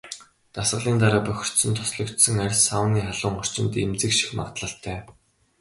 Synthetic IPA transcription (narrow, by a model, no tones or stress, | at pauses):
t̪asɢə̆ɮiːnt̪aɾaːpœxʲɪ̥̆r̥t̪sɘ̆nt̪ʰːɔ̥sɮɞ̆kt̪sɘ̆ŋærʲsawniːχaɮʊːŋɔr̥t͡ɕɪ̆nt̪emt͡sɘ̆kʃi̥xma̰ʁt̪ɮə̆ɬt̪ʰːæː